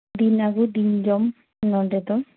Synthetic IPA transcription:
d̪inaɡud̪ind͡ʒɔm | nɔɖet̪ɔ

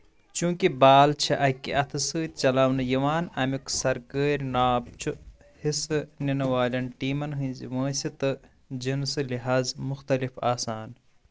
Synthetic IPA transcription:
t͡ʃũːkibaːlt͡ʃʰiʔɐkːḭʔɐt̪ʰɨsɨːt̪̚t͡ʃɐlɐwnɨjiʋaːnɐmiksɐɾkəːɾʲnaːp̚t͡ʃʰu | hisɨninɐwaːlʲɐnʈiːmɐnɦɨ̃zḭʋɐ̃ːsit̪ɨ | d͡ʒinsɨliɦaːzmuxt̪ɐlifaːsaːn

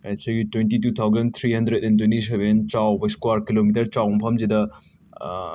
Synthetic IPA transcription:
ɛsɐɡitwentitut̪ʰawzɐnt̪ʰɾiɦɐndɾedɛnt̬wẽntis̬eβent͡ʃawbɐskwaɾkilomitɐɾt͡ʃawmpʰɐmzedɐ

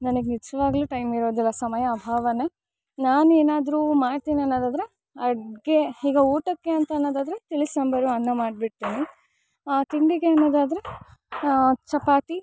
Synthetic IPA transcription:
nɐnɐɡenit͡ʃːɐʋaːɡluːʈɐjmiɾo̞ːd̪ilːɐsɐmɐjɐːbʱaːʋɐnːɐ | naːneːnaːd̪ɐɾuːmaːɖt̪iːniɐnːoːd̪aːd̪ɐɾe | ɐɽɡeiːɡɐuːʈɐkːe̞ɐnt̪ɐːnːoːd̪aːd̪ɐɾet̪iɭisɐmbɐɾuɐnːɐmaːɖ̚biʈt̪iːni | aːt̪iɳɖiɡeɐnːoːd̪aːd̪ɐɾe | t͡ʃɐpaːt̪i

